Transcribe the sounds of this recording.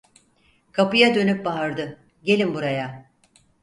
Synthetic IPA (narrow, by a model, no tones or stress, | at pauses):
kʰapɯjad̪ø̞nyp̚baɦaɾd̪ɯ | ɟe̞lʲimbuɾaja